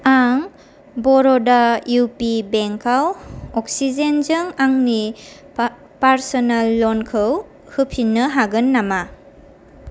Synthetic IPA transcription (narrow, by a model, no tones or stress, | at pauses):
aŋ | bɔɾɔdajupibeŋkawɔk̚sizenzɯŋaŋni | paɾsɔnalːɔnkʰɯw | hɯpʰinːɯɦaɡɯnːama